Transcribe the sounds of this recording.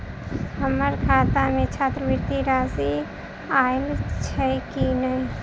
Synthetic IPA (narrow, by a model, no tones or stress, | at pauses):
ɦəməɾkʰaːt̪amẽt͡ʃʰaːt̪ɾəbiɾt̪iɾaːzi | aːelt͡ʃʰɛkinəĩ